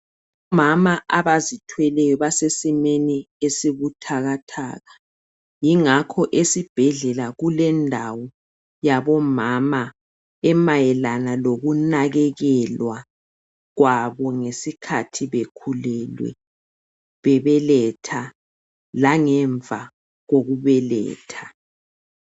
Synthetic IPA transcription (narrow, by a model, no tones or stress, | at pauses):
βɔmamaʔaβazitʰwɛlɛjɔβasesimeni | esiβutʰaɣatʰa̰ːɣa | jiŋakʰɔʔesib̥ʱɛɮɛlaɣulɛndʱawɔ | jaβɔmama | ɛmajɛlanaloɣunaɣɛɣɛlwa | ɣwaβɔŋesikʰatʰiβekʰulɛlwɛ̰ | βɛβɛlɛtʰa | laŋɛɱvʱa | ɣoɣuβɛlɛ̰ːtʰḁ